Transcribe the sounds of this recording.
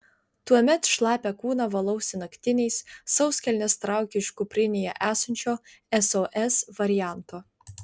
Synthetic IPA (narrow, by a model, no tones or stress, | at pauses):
t̪uɔmʲɛt̪ʃlˠɑːpʲɛkuːnɑʋɐlˠɐʊsʲɪnɐkʲt̪ʲɪnʲɛɪsːɐʊsʲkʲɛlʲnʲɛst̪ɾɑˑʊkʲɪʃkupʲɾʲɪnʲɪjɛʔæːsɐnʲt͡ʃʲoː | ɛsoːʔɛsʋɐɾʲɪjæˑnt̪oː